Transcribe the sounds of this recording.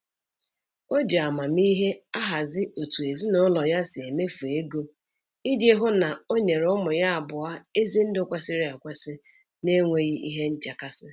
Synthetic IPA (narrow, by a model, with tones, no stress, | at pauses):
o˦d͡ʒe˨a˨ma˨mi˦ɦe˦a˦ɦa˨zɪ˦o˨tu˨e˨zi˦nɔ˦lɔ˨ja˦sɪ˨e˨me˦fu˨e˦ɡo˦ | i˦dje˦ɦʊ˦na˨o˦ɲe˨ɾʊ˦mʊ˨ja˦a˨bʊ˨a˦e˦zi˦n̩˦dʊ˦˨kʷe˦sɪ˦ɾa˨kʷe˦sɪ˦ | ne˦ŋʷe˦ɣi˦ʔi˦ɦe˦n̩˦t͡ʃa˨ka˦sɪ˦